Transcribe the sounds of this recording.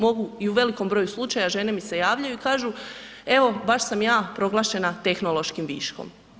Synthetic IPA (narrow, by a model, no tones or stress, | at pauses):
mo̞ɡuiuʋe̞liko̞mbɾojuslˠut͡ʃajaʒe̞ne̞mise̞jaːʋʎajuikaːʒu | e̞ʋo̞baʃsamjaːpɾo̞ɡlˠaːʃe̞nat̪e̞xnolo̞ʃkimʋḭːʃko̰m